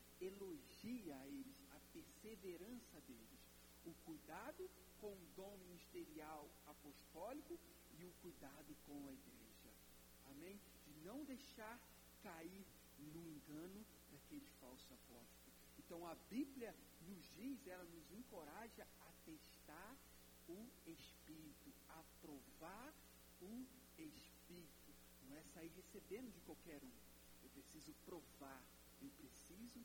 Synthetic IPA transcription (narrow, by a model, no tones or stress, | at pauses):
eloʒiɐelɪsɐpeɾseveɾɐ̃sɐd̪elɪs | ʊkujd̪ad̪ʊ | kõw̃ʊd̪õmĩniʃt̪eɾiaw | apoʃt̪ɔlikʊ | ɪʊkujd̪ad̪ʊkõw̃ɐiɡɾḛʒɐ | amẽj̃ | d͡ʒɪnɐ̃w̃d̪ejʃaɾ | kaiɾ | nʊẽŋɡɐ̃nʊ | d̪akelɪfawsʊapɔ̰t͡ʃi̥t̪ʊ | ẽt̪ɐ̃w̃ɐbibliɐ | nʊzd͡ʒizɛlɐnʊzẽkoɾaʒɐ | at̪eʃt̪aɾ | ʊespiɾit̪ʊapɾovaɾ | ʊ | eʃ | piɾit̪ʊ | nɐ̃w̃ɛsaiɾɦesebẽnd̪ʊd͡ʒɪkwawkɛɾũ | ewpɾesizʊpɾovaɾ | ewpɾesizʊ